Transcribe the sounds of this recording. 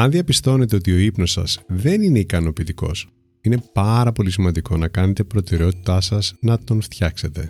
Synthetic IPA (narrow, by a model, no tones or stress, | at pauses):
ɐnðiɐpist̪o̞ne̞t̪e̞o̞t̪io̞ipno̞sɐ̰sðe̞nine̞ikɐno̞piːt̪iko̞̰s | ine̞pɐɾɐpo̞lisimɐnd̪iko̞nɐkɐne̞t̪e̞pɾo̞t̪e̞ɾe̞o̞t̪i̥t̪ɐsɐsnɐt̪o̞nft̪çɐkse̞t̪e̞